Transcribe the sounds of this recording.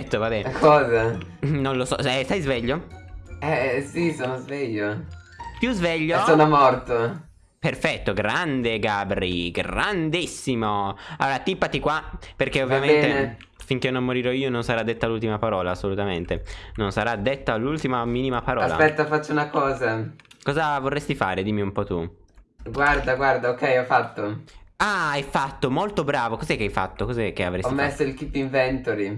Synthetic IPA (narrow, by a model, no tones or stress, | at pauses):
ɛt̪ːovabɛkʰɔːzanonlosɔ̰ɛsajzvɛʎːo | ɛsisoːnozvɛʎːo | pjuzvɛʎːosoːnomɔrt̪o | perfɛt̪ːoɡɾand̪eɡaːbɾiɡand̪isːimoalːoːɾat̪ipːat̪ikwaperkeovːjamenːt̪e | fiŋk̟enːomːoɾiɾɔiːononsaɾad̪ːet̪ːalult̪imapaɾɔːlaːsːolut̪ament̪enonsaɾad̪ːet̪ːalːult̪imamiːnimapaɾɔaːla̰pɛt̪ːafat͡ʃːounakɔːzakɔːzavorːest̪ifa̰ːɾed̪iːmiumpɔt̪u | ɡward̪aɡward̪aokɛjɔfat̪ːoaajfat̪ːomolt̪obɾaːvokozɛkːajfa̰t̪ːokɔzɛk̟ːea̰vɾɛsɔimːɛsoilkipːiɱvɛnt̪oɾi